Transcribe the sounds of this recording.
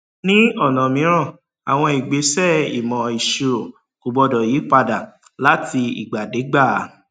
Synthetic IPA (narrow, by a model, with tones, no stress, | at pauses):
nĩ˦ɔ˦˨nɔ̃˨mĩ˨˦ɾ̃ã˦˨ | a̰˨w̃ɔ̃˧i˨ɡ͡be˨˦sɛ˦˨ḭ˨mɔ̃˨i˨ʃe˨˧ɾo˨ | ko˨bɔ˧dɔ˨ji˨˦k͡pa˧da˨ | la˨˦ti˧ḭ˨ɡ͡ba˨de˨˦ɡ͡ba˦˨˦